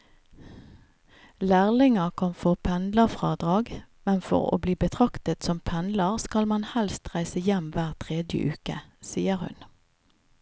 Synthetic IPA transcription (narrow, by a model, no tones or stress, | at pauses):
læːʁlɪŋəkʰɔmfɔʁpʰɛnd̪ləʁfʁɑːd̪ʁɑːɡmɛnfɔ̰ʁo̰ːbliːbət̪ʰʁɑkt̪ət̪sɔmpʰɛnd̪ləʁskɑlmɑnhɛlst̪ʁæɪsəjɛmʋæːʁt̪ʰʁeːd̪jə̰ʔʉːkə̰siːəʁhʉ̰n